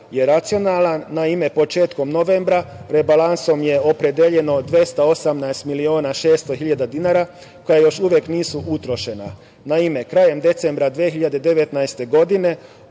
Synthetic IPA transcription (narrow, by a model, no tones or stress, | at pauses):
je̞ɾat̪sijo̞naːlˠanːaime̞po̞t͡ʃe̞ːt̪ko̞mno̞ʋe̞mbɾaɾe̞balˠanso̞mje̞o̞pɾed̪eʎeno̞d̪ʋje̞st̪ao̞samnaest̪milio̞ːnaʃe̞ːst̪o̞xiʎad̪ad̪inaːɾa | ko̞jajo̞ʃuʋjekniːsuʔut̪ɾo̞ʃe̞na | naime̞kɾaːje̞md̪e̞t̪se̞mbɾad̪ʋiexiʎad̪ed̪eʋe̞t̪naest̪e̞ɡo̞d̪ine̞